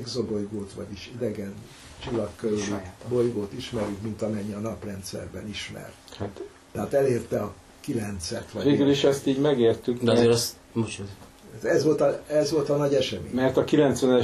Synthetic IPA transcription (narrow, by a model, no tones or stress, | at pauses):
ɡzobojɡoːt̪ʋɒ̰ɟiʃid̪ɛɡɛn | t͡ʃilːɒkːøɾylibo̞jɡoːt̪iʃmɛɾykmint̪ɒmɛɲːiɒnɒprɛnt̪sɛ̰rbɛniʃmɛ̰rt̪hat̪ː | ɛɦaːt̪ɛleːrt̪ɛɒ | kilɛnt̪sɛt̪ʋɒveːɡyliʃɛst̪iːɟmɛɡeːrt̪ykd̪ɛzeɾɛs | mut͡ʃ | tɛzʋo̞lt̪ɒɛzʋo̞lt̪ɒnɒɟɛʃɛmḛːɲmɛrt̪ɒkilɛnt̪sʋɛnɛ